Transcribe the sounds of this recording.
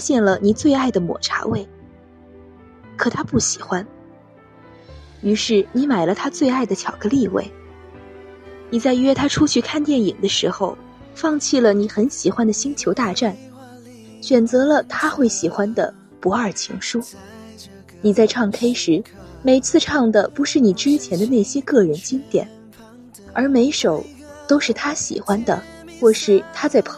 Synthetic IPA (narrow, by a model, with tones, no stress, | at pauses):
fa˥ɕjɛ˥˩nlə˩ni˨˩t͡swe˥˧ɪa˥˩ɪd̪ə˩mwɔ̰˨˩ʈ͡ʂʰa̰˧˥we˥˩ɪ | kʰɤ˨˩t̪ʰa˥pu˥˩ɕi˨˩xwa˥n | y˧˥ʂɻ̩˥˩ni˧˥ma˨˩ɪlə˧˦t̪ʰa˥t͡swe˥˧ɪa˥˩ɪd̪ə˩t͡ɕʰjɑ˨˩ʊɡə˧˥li˥˧wḛ˥˩ɪ | ni˨˩t͡sa˥˧ɪɥɛ˥˧t̪ʰa˥ʈ͡ʂʰu˥t͡ɕʰy˥˧kʰa˥˧nt̪jɛ˥˩ni˨˩ŋd̪ə˦ʂɻ̩˧˥xo˧ʊ | fɑ˥˧ŋt͡ɕʰi˥˩lə˩ni˨˧˥xə˧˥nɕi˨˩xwa˥nd̪ə˨ɕi˥ŋt͡ɕʰjo˧˥ʊt̪a˥˧ʈ͡ʂa˥˩n | ɕɥɛ˨˩nt͡sɤ˧˥lə˧t̪ʰa˥xwe˥˩ɪɕi˨˩xwa˥nd̪ə̰˨ | pu˧˥ə˞˨˩t͡ɕʰḭ˧˥ŋʂu˥ | ni˨˩t͡sa˥˧ɪʈ͡ʂʰɑ˥˩ŋkʰe˥ɪʂɻ̩˧˥me˧˩ɪt͡sʰɹ̩˥˧ʈ͡ʂʰɑ˥˩ŋd̪ə˩pu˧˥ʂɻ̩˥˩ni˨˩ʈ͡ʂɻ̩˥t͡ɕʰjɛ˧˥nd̪ə˧ne˥˩ɪɕjɛ˥kɤ˥˩ɻə˧˥nt͡ɕi˥ŋt̪jɛ̰˨˩˦n | ə˞˧˥me˧˥ɪʂo˨˩ʊ | t̪o˥ʊʂɻ̩˥˩t̪ʰa˥ɕḭ˨˩xwa˥nd̪ə̰˨ | xwɔ˥˧ʂɻ̩˥˩t̪ʰa˥t͡sa˥˩ɪpʰ